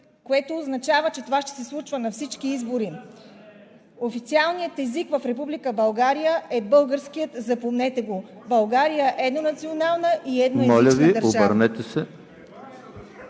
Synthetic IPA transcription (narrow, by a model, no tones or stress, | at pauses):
koɛt̪oːznɐt͡ʃavət͡ʃɛt̪ovaʃt̪ɛ̥sɛslˠut͡ʃvənɐfsit͡ʃkiizboɾi | ofit̪sialˠnijət̪ɛzikvɐfɾɛpublikəbɐlˠɡaɾijəʔɛbɤlˠɡəɾsk̟ijət̪zɐpomnɛt̪ɛɡo | bɐlˠɡaɾijəʔɛd̪nonɐt̪sionalˠnəʔiɛd̪noɛmɔlʲət͡ʃvid̪əɾoʒaəɾnɛt̪ɛsɛ